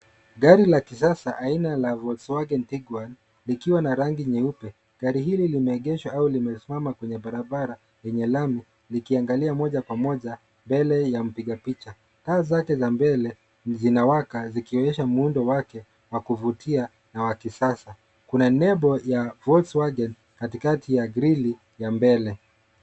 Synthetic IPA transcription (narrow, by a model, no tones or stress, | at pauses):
ɡaɾilakis̬asaʔainalavɔswaɡɛntiɡwan | likiwanaɾaŋɡiɲɛupɛ | ɡ̥aɾiɦililimɛːɠɛʃwaaulimɛsimamakwɛɲɛɓaɾaɓaɾa | jɛɲɛlami | likiaŋɡaliamɔʄakwamɔʄa | mbɛlɛjam̩piɠapit͡ʃa | taːzakɛzambɛlɛ | zinawakazikiɔɛʃamuundɔwakɛ | wakuvutʰia | nawakisasa | kunanɛbɔjavɔswaɡɛn | katikatʰijaɡɾili | jambɛlɛ